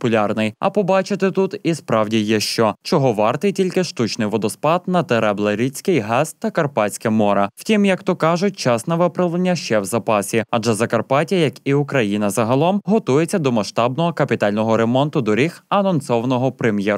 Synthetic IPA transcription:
pʊlʲɑrnɪjɐ̰pɔbɑt͡ʃɪt̪ɪt̪ut̪ispɾɑwdʲijɛʃt͡ʃɔt͡ʃɔɦɔʋɑrt̪ɪjtʲilʲkɪʃt̪ut͡ʃnɪjʋɔd̪ɔspɑd̪nɐt̪eɾɛblˠɐɾʲit͡sʲkɪjɦɛst̪ːɐkɐrpɑt͡sʲkɛmɔɾɐwtʲimjɐkt̪ɔkɑʒʊt̚ʲt͡ʃɑsnɐʋɪpɾɐʋlˠenʲːɐʃt͡ʃɛwzɐpɑsʲiɐd͡ʒɛzɐkɐrpɑtʲijɐkiʊkɾɐjinɐzɐɦɐlˠɔmɦɔt̪ujet͡sʲːɐd̪ɔmɐʃt̪ɑbnɔɦɔkɐpʲit̪ɑlʲnɔɦɔɾemɔnt̪ʊd̪ɔɾʲixɐnɔnsɔʋɐnɔɦɔpɾemjɛ

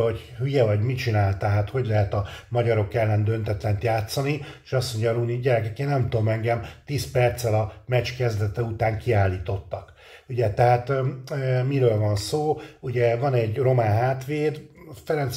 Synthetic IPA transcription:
ho̞ɟ | hyjɛvɒɟmit͡ʃinaːlt̪ɛɦat̪ho̞ɟlɛɦɛt̪ɒmɒɟɒɾo̞kɛlːɛnd̪ø̞nt̪ɛt̪lɛnt̪jaːt̪sːɒniʃɒsmo̞ɲɟɒɾuniɟɛɾɛkɛkeːnɛmt̪oːmɛŋɡɛmt̪iːspɛrt̪sɛlɒmɛt͡ʃkɛzd̪ɛt̪ɛut̪aːŋkiaːlːiːt̪o̞t̪ːɒk | uɟɛt̪ɛɦaːt̪ː | miɾøːlvɒnsoːuɟɛvɒnɛɟro̞maːnɦaːt̪ʋeːd̪fɛɾɛns

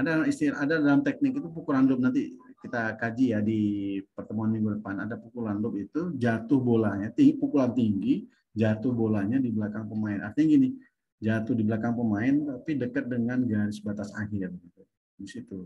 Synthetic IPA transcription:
adaist̪iɾadadalamt̪ɛk̚nɪkit̪upukuɾandɔp̚nant̪ikit̪akad͡ʒijadipərt̪əmuanmiŋɡudəpanadapukulandɔpit̪ud͡ʒat̪ʊhbolahɲat̪ipukulant̪iŋɡi | d͡ʒat̪ʊhbolahɲadibəlakaŋpəmaɪnʔa̰rt̪iɲaɡinɪ | d͡ʒat̪ʊhdibəlakaŋpəmaɪnt̪apidəkət̪̚dəŋanɡaɾɪsbat̪asaɦɪrɡit̪u | disit̪u

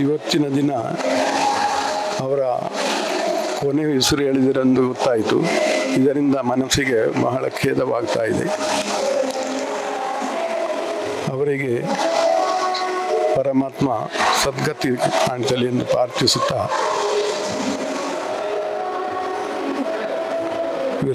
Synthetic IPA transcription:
iʋɐt̪ːinɐd̪inɐ | ɐʋɐɾɐ̰ | koneːisuɾuɦeːɭid̪ɐɾe̞nd̪uɡot̪ːaːjit̪ṵid̪ɐɾind̪ɐmɐnɐsiɡe̞mɐ̰ɦɐɭɐ̰kʰɛːd̪ɐʋaːɡt̪aːjid̪ḛ | ɐʋɐɾiɡe̞ | pɐɾɐmaːt̪mɐ̰sɐd̪ɡʱɐt̪iaːɳid̪ɐliend̪upɾaːɾt̪isut̪ːa

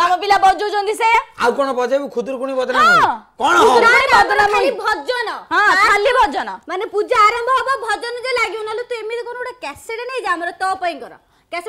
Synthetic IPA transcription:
amɔpilabɔd͡ʒɔwd͡ʒɔnt̪isejaawkɔɽ̃ɔbɔd͡ʒabukʰud̪uɾukuɽ̃ibɔd̪ɔnãkɔɽ̃ɔũibɔd̪ɽamabʱɔd͡ʒɔnɔɦɔ̃kʰalːibʱɔd͡ʒɔnɔmanepud͡ʒaːɾɔmbʱɔɦɔbɔbʱɔd͡ʒɔnɔd͡ʒɔlaɡiunalut̪uemit̪ekonɔuɽakɛseɽenaid͡ʒaamɔɾɔt̪ɔpɔjŋkɔɾɔ̰ | kɛse

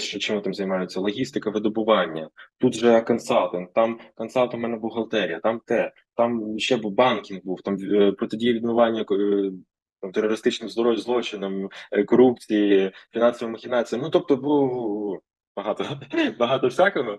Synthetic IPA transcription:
t͡ʃɔt͡ʃɪmut̪ɪmzɐjmɑjʊt͡sʲːɐlˠɔɦʲist̪ɪkɐʋɪd̪ɔbʊʋɑnʲːɐt̪ut̪ʒɛkɐnsɑlˠt̪ɪnt̪ɑmkɐnsɑlˠt̪ɔmɛnɛbʊɦɐlˠt̪ɛɾʲijɐt̪ɑmt̪ɛ | t̪ɑmʃt͡ʃɛbbɑnkʲinɡbuwt̪ɑmʲpɾɔt̪ɪdʲijɐʋʲid̪nʊʋɑnʲːɐk | t̪ɑmt̪erɔɾɪst̪ɪt͡ʃnɪxzd̪ɔɾɔʋʲzlˠɔt͡ʃɪnɐmkɔɾup̚t͡sʲijifʲinɑnsɔʋijmɐxʲɪnɑt͡sʲijɐnut̪ɔp̚t̪ɔbu | b̥ɐɦɑt̪ɔbɐɦɑt̪ɔfsʲakɪnu

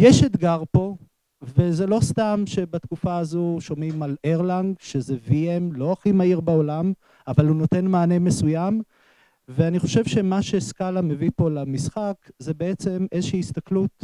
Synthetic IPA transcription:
jeʃet̪ɡaʁpo̞ | veze̞lo̞st̪amʃe̞bat̪kufaːzuʃo̞mimaleʁlaŋɡʃezeviemlo̞aχimaiʁbao̞lam | avaluno̞t̪e̞nmaːnemesujam | veaniχo̞ʃevʃe̞maʃe̞skalamevipo̞lamisχakze̞beet͡se̞me̞zeʃiiist̪aklut̪̚

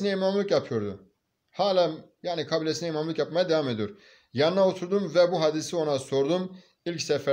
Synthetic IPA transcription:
inɛimamlˠɯkjapʰɯjo̞ɾd̪u | haːlʲajaːnikʰabilʲesinɛimamlˠɯkjapmajad̪eamed̪ijoɾ | janɯnaot̪ʰuɾd̪umvɛbuɦad̪isio̞naso̞ɾd̪um | ilʲcsɛfɛ

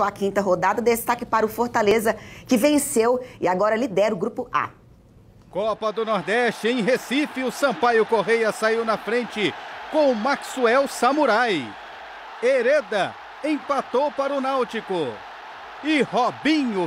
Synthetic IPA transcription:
akĩnt̪ɐɦod̪ad̪ɐd̪est̪akɪpaɾʊfoɾt̪alezɐkɪvẽsewɪaɡɔɾɐlid̪ɛɾʊɡɾupʊa̰ | kɔpɐd̪ʊnɔɾd̪ɛʃt͡ʃɪẽj̃ɦesifɪʊsɐ̃pajʊkoɦejɐsaiwnɐfɾẽnt͡ʃɪkõʊmaksuɛwsɐmuɾaj | eɾed̪ɐ | ẽj̃pat̪owpaɾʊnawt͡ʃikʊ | ɪhobĩɲʊ

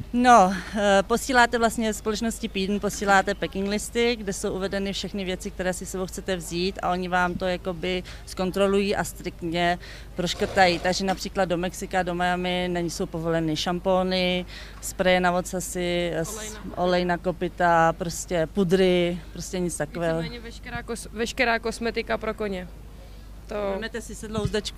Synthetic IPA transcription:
no̞po̞siːlaːt̪ɛvlast̪ɲɛvɛspolɛt͡ʃnoscɪpiːdn̩po̞siːlaːt̪ɛpɛkɪŋɡlɪst̪ɪɡdɛso̞wʔuvɛdɛnɪfʃɛxnɪvjɛt͡sɪkt̪ɛɾɛːsɪsɛbowxt͡sɛt̪ɛvziːt̪ʔa̰ʔo̞ɲɪvaːmt̪o̞jakobɪ | sko̞nt̪ɾo̞lujiːʔast̪ɾɪk̚t̪ɲɛ | pɾoʃkr̩t̪ajiːt̪aɡʒɛnapr̝̥iːklad̪̚do̞mɛksɪkado̞majamɪnɛɲɪso̞wpo̞vo̞lɛnɪʃampo̞ːnɪ | spɾajɛnavot̪t͡sasɪsʔolɛjnako̞pɪt̪apɾo̞scɛpud̪ɾɪpɾoscɛɲɪt͡st̪akovɛːɦoɲɛkɛɾaːosvɛʃkɛɾaːkosmɛt̪ɪkapɾokoɲɛ | t̪oɛmnɛt̪ɛsɪsɛdlowzdɛt͡ʃku

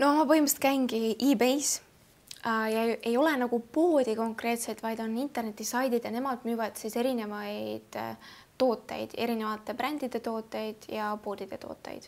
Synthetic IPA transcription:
noomɑpɤhimust̪kæjnɡiʔiːbejs | jɑe̞jo̞lenɑɡ̥upoːd̪̥iko̞ŋkre̞ːt̪se̞t̪vɑjd̪̥o̞nːint̪ːˑe̞rne̞t̪ːˑisɑjd̪id̪̥jɑne̞mɑd̪̥myːvɑd̪̥sise̞ɾine̞vɑjd̪̥ː | o̞ːt̪ːˑe̞̰jd̪̥e̞ɾine̞vɑt̪ːˑe̞pɾænd̪̥id̪̥e̞t̪o̞ːt̪ːˑe̞jd̪̥jɑpo̞ːd̪̥id̪̥et̪o̞̰ːt̪ːˑḛjd̪̥

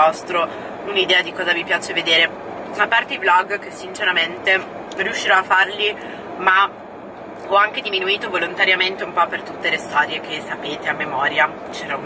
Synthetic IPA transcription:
ɔst̪ɾo | unid̪ɛːad̪ikɔːzavipjaːt͡ʃeved̪eːɾe | apːart̪eiblɔɡkesːint͡ʃeɾament̪e | rjuʃːiɾɔafːarli | ma | ɔaŋk̟ed̪iminuiːt̪ovolont̪aɾjament̪eumpɔpːert̪ut̪ːelest̪ɔːɾjekesːapeːt̪eamːemɔːɾja | t͡ʃɛːɾa

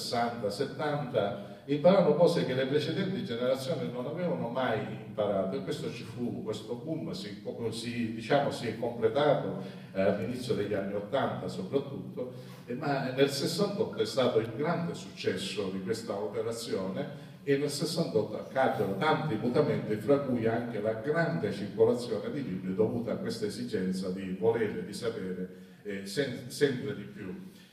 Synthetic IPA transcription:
sːant̪aset̪ːant̪a | impaɾanopɔːsek̟elːepɾet͡ʃed̪ɛnt̪id͡ʒeneɾat̪sːjoːnɪnonavɛːvanomajimpaɾaːt̪oekːwest̪ot͡ʃifukwest̪obumːəsikɔsid̪it͡ʃaːmosiɛkːomplet̪aːt̪o | alːinit̪sːjod̪eʎːanːiot̪ːant̪asopɾat̪ːut̪ːo | manːelsesːant̪ɔt̪ːoɛst̪aːt̪oilɡɾand̪esut͡ʃːɛsːod̪ikwest̪aopeɾat̪sːjoːneː | nːelsesːant̪ɔt̪ːa̰kːaːkːonot̪ant̪iput̪ament̪ɪfɾakːujaŋk̟elaɡɾand̪et͡ʃirkolat̪sːjɔːned̪ilibjɛd̪ːovuːt̪aːkːwest̪aezid͡ʒɛnt̪sad̪ivoleːɾed̪isapɛːɾe | sɛnsɛmpɾed̪ipju

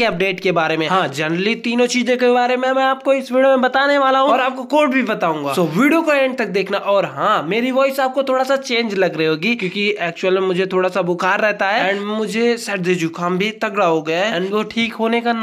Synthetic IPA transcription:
eɐp̚ɖeːʈkebaːɾemẽɦãːd͡ʒɛnɾəlit̪iːnõt͡ʃiːzẽkebaːɾemẽmɛ̃aːp̚koɪsʋiːɖijomẽbɐt̪aːneʋaːlaɦũɔːɾaːp̚kokoːɾʈbʱibɐt̪aːũːŋɡaːsoːʋiːɖijokoẽːɳɖ̚t̪ɐk̚d̪eːkʰnaʔɔːɾɦãːmeːɾiʋɔːɪsaːp̚kot̪ʰoːɽasat͡ʃẽːnd͡ʒlɐɡɾɐɦiɦoːɡikjõːkiʔɛːk̚t͡ʃuəlmẽmʊd͡ʒʱet̪ʰoːɽasabʊkʰaːɾːɛɦt̪aɦɛːɛ̃ːnmʊd͡ʒʱesɛʈ̚d̪ed͡ʒukʰãːmbʱit̪ɐɡɾaɦoɡɐjaɦɛɛːɳʋoʈʰiːkɦoːnekan

